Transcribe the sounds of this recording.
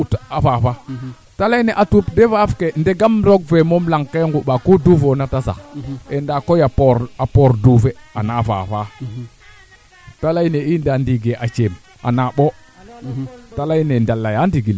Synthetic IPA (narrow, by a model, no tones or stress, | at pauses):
utafafa | talaneʔatupdevafkendeɡamɾoɡ̚vemomlaŋkeŋɡuɓakuduvonatasa̰kendakojapoɾapoɾdufeanava̰fa | talaineindandiɡeʔat͡ʃem | a̰naɓo | talainendalːajandiɡil